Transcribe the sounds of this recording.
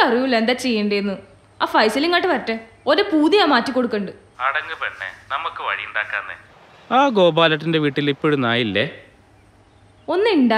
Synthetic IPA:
ɐriʋule̞nd̪aːt͡ɕe̞jːeɳɖɐjenːɨ | aːfɐjsɐliŋkːaːʈːɨʋɐrɐtːe | oɾepuːðijaːmaːtːikːo̞ɽukːeɳɖɨ | ɐɽɐŋɡɨpɐɳːḛnɐmukːɨʋɐ̰ɻijuɳɖaːkːa̰ːnːḛ | aːɡo̞ːbaːlɐʈːinde̞ʋiːʈːilipːoɻunaːjilːe | o̞nːɨiɳɖaː

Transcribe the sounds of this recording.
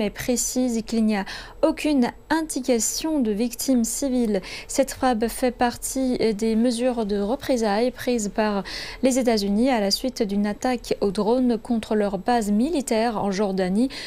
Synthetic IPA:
ɛpχesizkilnia | okʰʲyn | ɛ̃t̪ikasjɔ̃d̪əvikt̪ʰimsivilsɛt̪fabfɛpaʁt̪ʰid̪eməzyʁd̪əʁəpχezajpχizpaʁlezet̪̬azynialasɥit̪d̪ynat̪akod̪ʁonkɔ̃t̪χəlœʁbazmilit̪ɛʁɑ̰̃ʒɔʁd̪ani

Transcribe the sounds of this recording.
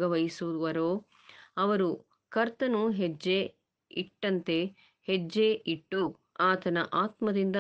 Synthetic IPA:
ɡɐʋɐjisuud̪uʋɐɾoː | ɐʋɐɾu | kɐɾt̪ɐnuɦed͡ʒːe | iʈːɐnt̪e̞ | hed͡ʒːeʔiʈːu | aːt̪ɐnɐʔaːt̪mɐd̪ind̪ɐ

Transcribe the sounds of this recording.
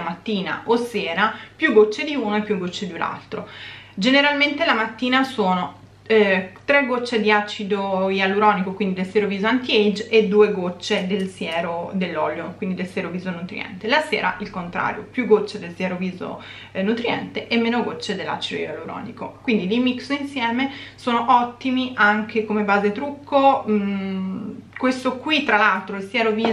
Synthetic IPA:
mat̪ːiːna̰ʔosɛːɾapjuɡːot͡ʃːed̪iuːnoepːjuɡːot͡ʃːed̪ula̰lt̪ɾod͡ʒeneɾalment̪elamat̪ːiːnasoːno | t̪ɾeɡot͡ʃːed̪iat͡ʃid̪oialuɾɔːnikokwind̪id̪elsjɛɾoviːzoant̪iɛjd͡ʒed̪ːuːeɡot͡ʃːed̪elsjɛːɾod̪elːɔ̰ːljokwind̪id̪elsjɛɾoviːzonut̪ɾḭɛ̰nt̪elasɛːɾa̰ʔilkont̪ɾa̰ːɾjo̰pjuɡot͡ʃːed̪elsjɛːɾoviːzo̰ | nut̪ɾiɛ̰nt̪eʔemːeːnoɡot͡ʃːed̪elːa̰t͡ʃid̪o̰jaluɾɔ̰ːnḭkokwind̪ilimiksoinsjɛːmesoːnoʔɔt̪ːimiʔaŋk̟ʰekomebaːzet̪ɾukʰːo | kwest̪okwit̪ːɾalalt̪ɾoilsjɛːɾoviː

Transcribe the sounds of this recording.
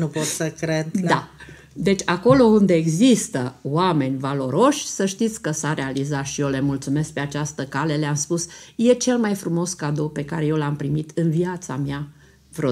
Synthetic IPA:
nupot̪səkɾed̪d̪a | d̪e̞t͡ʃʲako̞lo̞und̪e̞ːɡzist̪əwame̞nʲvalo̞ɾo̞ʃʲsəʃt̪it̪sʲkəsaɾe̞alizat̪ʃiole̞mult̪sume̞sk̚pe̞at͡ʃast̪əkale̞leamspusje̞t͡ʃe̞lmajfɾumo̞skad̪o̞wpe̞kaɾeje̞wlampɾimit̪ɨnviat̪samja | vɾo

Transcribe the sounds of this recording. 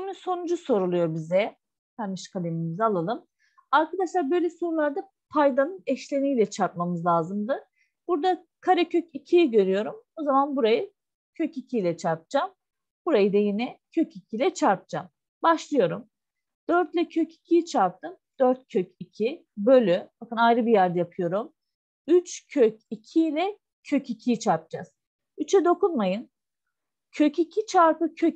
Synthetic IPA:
imiso̞nud͡ʒuso̞ɾulˠujo̞ɾbizɛ | t̪ʰaɾmɯʃkʰalʲemimizalˠalˠɯm | aɾkʰad̪aʃlˠaɾbø̞jlʲɛso̞nulˠaɾd̪a | pʰajd̪anɯnɛʃlʲenijlʲɛt͡ʃʰaɾp̚mamɯzlˠaːzɯmd̪ɯ | b̥uɾd̪a | kʰaɾɛcʰøcicʰijɟø̞ɾyjo̞ɾumozamanbuɾajɯ | cʰøcicʰijlʲɛt͡ʃʰaɾp̚d͡ʒam | buɾajɯd̪ajinɛcʰøcicʲʰilʲɛt͡ʃʰaɾp̚d͡ʒam | baʃlˠɯjo̞ɾum | d̪̥øɾt̪lʲɛcʰøci̥cʰijt͡ʃʰaɾp̚t̪ʰɯnd̪̥øɾt̪̚cʰøcʰicʰi | bø̞lʲyb̥akɯnajɾɯbijæɾd̪ɛjapʰɯjo̞ɾum | yt͡ʃcʰøcicʰilʲɛ | cʰøcicʰijt͡ʃʰaɾp̚d͡ʒa̰z̥ | yt͡ʃʰɛd̪o̞kunmajɯn | cʰøcicʰit͡ʃʰaɾpɯcʰø

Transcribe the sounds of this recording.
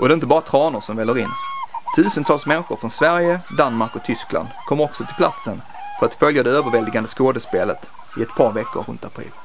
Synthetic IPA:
ʔɔd̪ɛɪnt̪əbɑːɾat̪ʰɾɑːnʊɾʂɔmvɛlːəɾɪnːt̪ʰʉ̟ːsənt̪ʰɑːlsmɛnɧʊɾfɾɔnsvæɾjəd̪anmaɾkɔt̪ʰʏskla̰nd̪kʰɔmːɾɔksɔt̪ʰɪlpʰla̰t̪sən | fœɾat̪fœljad̪ɛøːvəɾvɛld̪ɪɡand̪əskoːd̪əspeːlət̪ | ɪɛt̪pʰɑːɾvɛkːʊ̰ɾːɵ̰nt̪apʰɾḭːl

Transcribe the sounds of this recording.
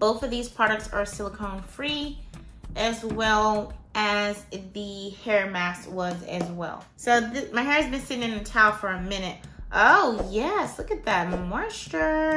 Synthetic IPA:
b̥oʊθʌvðiz̥pʰɹ̥ɑɾɨk̚tsə˞sɪlˠkʰõʊ̃nfɹi | ʔɨzwɛlˠʔɨzðɨhɛɹmækswʌzɨ̰zwɛ̰lˠsoʊðɪmaɪɦɛɹɨzbɨ̃nsɪɾɪ̃ŋɨ̃nɨtʰaʊfə˞ɨmɪ̃nɨt̚ʔoʊjɛslʊkɨt̪̚ðæt̚mɔɹstə˞

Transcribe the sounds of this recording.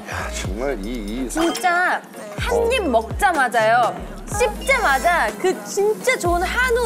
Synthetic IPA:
jat͡ɕʌŋmaɭit͡ɕint͡ɕ͈a | hanɲimːʌk̚t͡ɕ͈amad͡ʑajo | ɕʰip̚t͈e̞mad͡ʑakɯt͡ɕint͡ɕ͈at͡ɕoɯnhanu

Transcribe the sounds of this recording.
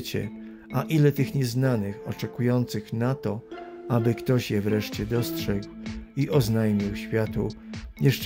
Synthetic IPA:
t͡ɕɛ̰ | aʔilɛt̪ɘxɲɛznanɘxɔ̰t͡ʂɛkujɔnt̪sɘxnat̪ɔabɘkt̪ɔɕjɛvɾɛʂt͡ɕɛd̪ɔstʂɛɡwiʔɔznajmʲiwɕfʲjat̪ṵɲɛʂt͡ʂ

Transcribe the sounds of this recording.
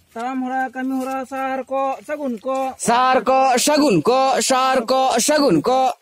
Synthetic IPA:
t̪aːmɦoɾaːkɐmiɦuɾaːsaːɾkosɐɡunkosaːɾkoʃɐɡunkoʃaːɾkoʃɐɡunko

